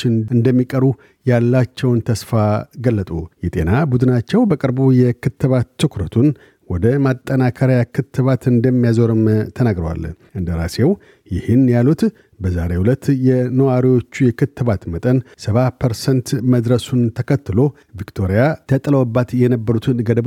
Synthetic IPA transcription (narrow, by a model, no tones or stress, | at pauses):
t͡ʃːɪnɨnd̪əmːikʼəɾu | jalːat͡ʃːɛwnt̪ʰəsfaɡəlːət̪ʼṵjɛt̪ʼe̞̰nabud̪ɨnat͡ʃːɛwbəkʼɨɾbujɛkʰɨt̪ːɨβat̪ʰːɨkʰɾət̪ʰun | wɔd̪əmat̪ʼːənakʰəɾjakʰɨt̪ʰːɨβat̪ɨnd̪əmːijazoɾɨmt̪ʰənaɡɾəwa̰lʔɨnd̪əɾa̰se̞w | jɪhɨnjalut̪ | bəza̰ɾe̞hwulət̪ːjɛnəwaɾiwo̞t͡ʃːujɛkʰɨt̪ʰːɨβat̪mət̪ʼənsəβapʰəɾsɛnt̪məd̪ɾəsunt̪ʰəkʰət̪ːɨlo̞ | vikt̪ʰo̞ɾijat̪ʰət̪ʼləwbːat̪jɛnəbːəɾut̪ʰɨnɡəd̪əb